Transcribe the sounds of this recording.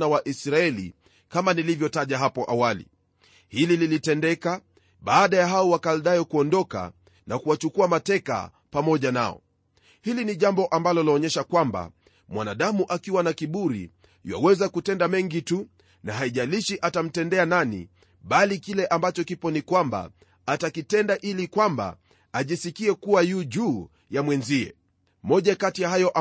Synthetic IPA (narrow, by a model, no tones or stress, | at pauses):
nawaʔisɾaɛlḭ | kamanilivjɔtaʄaɦapɔʔawalḭ | hilililitɛndɛka | ɓaːɗajaɦaɔwakalɗajɔkuɔndɔka̰ | nakuwat͡ʃukuamatɛka̰ | pamɔʄana̰ɔ̰ | hiliniʄambɔʔambalɔliɔɲɛʃakwamba̰ | mwanaɗamuʔakiwanakiɓuɾḭ | jwa̰wɛzakutɛndamɛŋɡitu | naɦaiʄaliʃiʔatam̩tɛndɛananḭ | ɓalikilɛʔambat͡ʃɔkipɔnikwamba̰ː | takitɛndaʔilikwamba̰ | aʄisikiɛkuwajuʄuː | jamwɛnziɛ̰ | mɔʄakatijaɦajɔʔa